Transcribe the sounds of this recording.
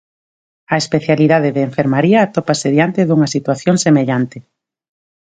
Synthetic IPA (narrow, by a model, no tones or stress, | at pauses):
ɐespeθjaliðað̞eðɪːɱfeɾmaɾiaːt̪opaseðjant̪eðuŋɐsit̪waθjoŋsemeʎant̪ɪ